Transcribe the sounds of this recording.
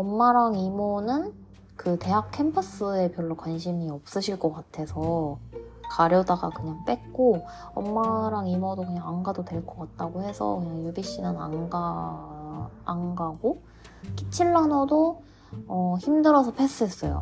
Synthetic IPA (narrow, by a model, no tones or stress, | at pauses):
ʌmːaɾaŋimonɯn | kɯte̞ɦak̚kʰe̞mpʰʌs͈ɯe̞pjʌɭːokwanɕʰimiʌp̚s͈ɯɕʰiɭk͈ʌkatʰe̞sʰʌ | kaɾjʌdaɡakɯɲaŋp͈e̞k̚k͈o | ʌmːaɾaŋimodokɯɲaŋaŋɡadodwe̞ɭk͈ʰʌk͈at̚t͈aɡohe̞sʰʌ̰kɯɲaŋjubiɕ͈inɯna̰ŋɡa | ŋɡaɡo | k͈it͡ɕʰiɭːanʌdo | ʌçimdɯɾʌsʰʌpʰe̞s͈ɯɦe̞s͈ʌ̰jo̰